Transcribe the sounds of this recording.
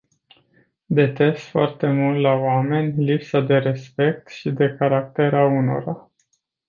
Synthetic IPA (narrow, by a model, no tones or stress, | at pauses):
d̪e̞t̪e̞sfoart̪e̞mult̪laoame̞nʲlipsad̪e̞ɾe̞spe̞k̚t̪ʃid̪e̞kaɾak̚t̪e̞ɾauno̞̰ɾa